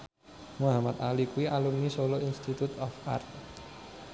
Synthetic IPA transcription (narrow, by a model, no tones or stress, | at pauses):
muɦamat̪̚alikuiʔalumnisoloinst̪it̪ut̪ɔfa̰rt̪̚